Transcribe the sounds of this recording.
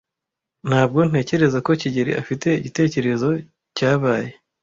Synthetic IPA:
n̥aːb̚ɡo̞n̥e̞ːce̞ɾe̞zako̞ciɟeɾḭʔafite̞iɟite̞ːce̞ɾe̞zo̞ | caːβaːje̞

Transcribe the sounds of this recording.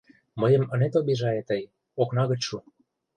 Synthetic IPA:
məjə̆mə̆net̪obiʒɑet̪əj | oknɑɣə̆t͡ɕʃu

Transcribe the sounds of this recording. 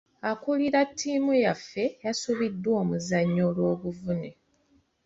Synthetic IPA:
akuliɾatʰːiːmujafːe̞jasuβidːwo̞ːmuzaɲːolwo̞ːβuvune

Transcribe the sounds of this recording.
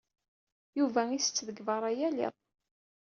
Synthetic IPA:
juvæisə̥t͡sːðəɡvəɾˤæjælḭðˤ

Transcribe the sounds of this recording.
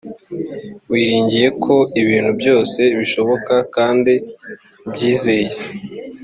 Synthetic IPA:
wiːɾiːɲɟije̞kʰo̞iβiːn̥hubjo̞ːse̞βiʃo̞βo̞kakaːndi | bjiːze̞je

